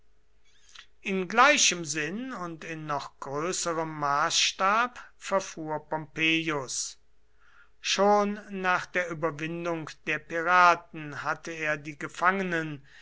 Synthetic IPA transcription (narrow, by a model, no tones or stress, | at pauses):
ʔɪnɡlaɪʃəmzɪnʊntɪnːɔχɡ̥ʁøːsəʁəmːaːsʃtaːpfɛɐfuːɐpɔmpeːjʊs | ʃoːnːaːχd̥eːɐʔyːbɐvɪndʊŋkd̥eːɐpiʁaːtn̩hatəeːɐdiːɡəfaŋənən